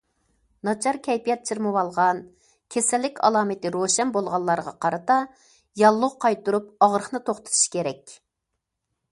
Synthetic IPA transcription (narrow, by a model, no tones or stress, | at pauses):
nɑt͡ʃʰɑɾkʲʰɛjpijɛt̪̚t͡ʃʰiɾmɨwɑlˠʁɑn | kʲʰesɛlːɪkʲɑ̰lˠɑːmɨt̪ɨɾoʃɛnbolˠʁɑnlˠːɑɾʁɑ̰qʰɑɾɨt̪ɑ | jɑlˠːʊʁqʰɑjt̪uɾup̚ɑʁɾəχnɨt̪ʰoχt̪ʰɨ̥t̪ʰu̥ʃkʲʰeɾɛkʲ